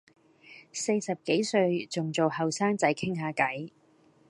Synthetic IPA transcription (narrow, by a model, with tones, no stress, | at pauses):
se˧jsɐ˨p̚ke˨˥jsɵ˧ɥt͡sʊ˨ŋt͡so˨whɐ˨wsaː˥ŋt͡sɐ˨˥jkʰɪ˥ŋɦaː˨˥kɐ˨˥j